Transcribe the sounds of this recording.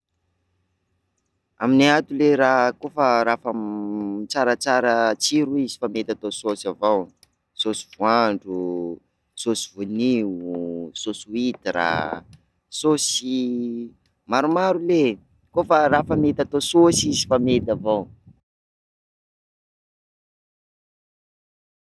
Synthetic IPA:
aminiat̪uleɾaɦkofaɾafa | t͡saɾət͡saɾət͡siɾuizi̥famet̪at̪ososavaw | sosi̥vuaɳɖ͡ʐu | sosivuni | sosuit̪ira̰ | sosi | maɾumaɾule | kofaɾafəmet̪at̪ososizifamet̪avaw

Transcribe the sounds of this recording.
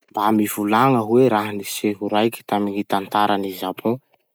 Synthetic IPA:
bamivulaŋəɦweɾaɦaniseɦuɾajkʲi̥t̪aminit̪ant̪aɾanizapʰõ

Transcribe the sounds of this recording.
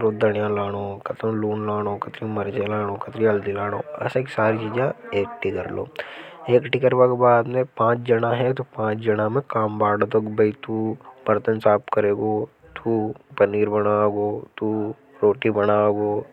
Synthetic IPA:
ɾoːd̪ʱɐɽijãlaːɽ̃oːkɐt̪ɾõluːnlaːɽ̃okɐt̪ɾimɐɾd͡ʒelaːɽ̃oːkɐt̪ɾiɐld̪ilaːɽ̃o̰ːɐ̰seːkisaːɾit͡ʃiːd͡ʒãeːkʈikɐɾlo̰ː | eːkʈikɐɾbakbaːd̪mẽpãːt͡ʃd͡ʒɐɽ̃aɦɛt̪opãːt͡ʃd͡ʒɐɽamẽkaːmbaːɽd̪okbʱɐit̪ubɐɾt̪ənsaːpkɐɾeːɡoːt̪ʰupɐniːɾbɐɽaːɡoːt̪u | ɾoːʈibɐɽaːɡoː

